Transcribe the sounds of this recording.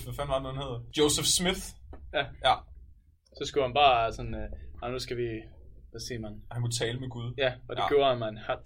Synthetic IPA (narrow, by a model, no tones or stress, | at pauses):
ʋæfænʋɑ̈dænɒhænhe̝ð̰ˠɐd̥joʊsefsmiθjæj | sɒ̽sɡ̥uhænb̥ɑ̈ːsɒ̽nːɑnusɡ̥æʋiʋæsiɐmænhænkʰut͡sʰɛːləmeɡ̥uð̞ˠjæɒ̽deɡjo̝ːɐhænmænhæ̥